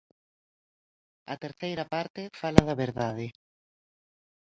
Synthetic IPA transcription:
ɐt̪eɾθejɾɐpaɾt̪ɪfalɐðɐβeɾðaðɪ

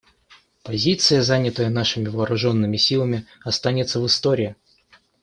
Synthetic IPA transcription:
pɐzʲit̪sɨjəzanʲɪt̪əjənaʂɨmʲɪvɐːɾʊʐo̞nːɨmʲɪsʲilˠəmʲɪɐst̪anʲɪt̪səvɨst̪oɾʲɪɪ

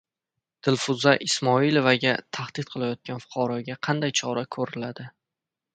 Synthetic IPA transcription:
d̪̥ɪlfʊzaʔɪsmɒilovaɡʲat̪ʰaχd̪̥ɪt̪̚qʰɨlˠajɒt̪̚kʲanfʊ̥qʰɒɾɒɡʲaqʰɑnd̪ajt͡ʃʰɒɾakʰɵɾɪlad̪ɪ

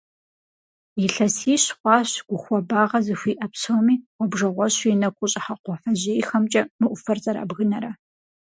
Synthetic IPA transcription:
iɬɐsiːɕχʷɑːɕɡ̥ʷʊxʷɔbaːʁɐzɨxʷiːʔɐpsowmiːwʷɔbʐɐʁʷɔɕinɐkʷʼʊɕʼɪħaqʷɔfɐʑeːjxɐmt͡ʃʼɐmɨʔʷʊfɐrzʼɐɾa̰bɣɨnɐɾɐ

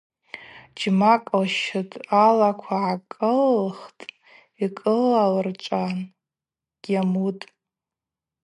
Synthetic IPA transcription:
d͡ʒmakʼlʃɨtʼalakʷʰaʕakʼɨlχtʼ | ikʼɨlalrt͡ʃʷʼan | ɡ̥ʲamutʼ

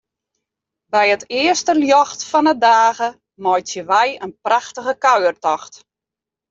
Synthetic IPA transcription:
bɛjətɪəstəljɔxtfɔnədaːɣə | mɔjtjəʋɛjənpraxtəɣəkaɥərtɔxt

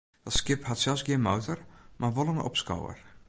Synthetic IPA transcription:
d̥ɔtskɪphatsɛlˠsɡiənmowtərmʔaʋolˠənɔ̰pskɔ̰wə̰r

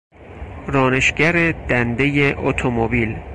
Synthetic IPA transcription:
rɒːne̞ʃɡæɾed̪̥ænd̪ejeʔot̪ʰomobil

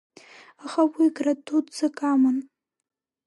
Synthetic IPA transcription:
aχawiɡratʰudt͡sɨkʼamɨn

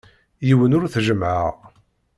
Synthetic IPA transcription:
jiwənʊɾθʒəmʕə̰ʁ

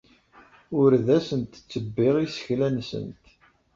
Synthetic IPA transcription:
ʊɾðæsənt̪t͡sːəbːɪʁisə̥çlænsə̰nt̪

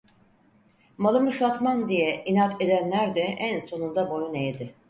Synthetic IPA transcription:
malˠɯmɯsat̪mand̪ijɛinat̪e̞d̪ænlʲæɾd̪ɛʔænso̞nund̪abo̞junejd̪ɪ

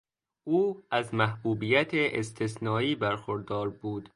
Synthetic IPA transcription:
ʔuːæzmæhbuːbijæt̪ʰeʔest̪ʰesnɒːiːbæɾxoɾd̪ɒːɾbuːd̪̥

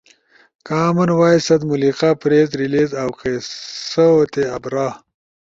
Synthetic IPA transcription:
kaːmɐnwaːjsɐd̪muliqapɾeːzɾileːzawqesɐwot̪eɐbɾaː

